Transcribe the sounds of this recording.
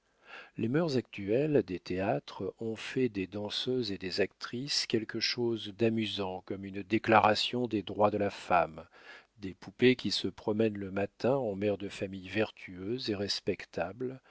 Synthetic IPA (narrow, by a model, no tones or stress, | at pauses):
lemœʁzak̚t̪yɛld̪et̪eat̪χɔ̃fɛd̪ed̪ɑ̃søzed̪ezakt̪χiskʲɛlkəʃozd̪amyzɑ̃kɔmynd̪eklaʁasjɔ̃d̪ed̪ʁwad̪əlafam | d̪epupekʲisəpχɔmɛnləmat̪ɛ̃ɑ̃mɛʁd̪əfamijvɛʁt̪ʰyøzeʁɛspɛkt̪ʰabl